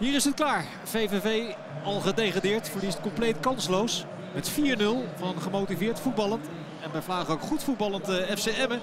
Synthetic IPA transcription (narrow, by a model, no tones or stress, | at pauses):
ɦiːɾɪsətklaːɹ | v̥ejvevej | ɑlˠχədejχaːdɪːɹtfəɹlistkɔmplejtkɑnslows | ɦətfiːɹnɵlˠvɑnχəmowtivɪːɹtfud̚bɑlˠənt | ɛnʋɛjvlaːχənowkχutfud̚bɑlˠəntəɛfseɛmə